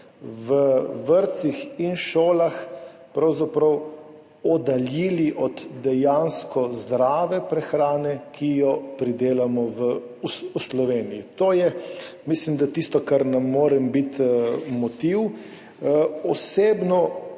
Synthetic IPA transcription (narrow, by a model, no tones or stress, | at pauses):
ʋəʋəɾt̪sixinʃoːlaxpɾawzapɾɔw | ɔd̪aljiːliʔɔd̪d̪ɛjanskɔzd̪ɾaːʋɛpɾɛxɾaːnɛkʰijɔpɾid̪eːlamɔʋə | uuslɔʋeːnijit̪oːjɛmislimd̪at̪ist̪ɔkaɾnamːoːɾɛmbit̪mɔt̪iw | ɔseːbnɔ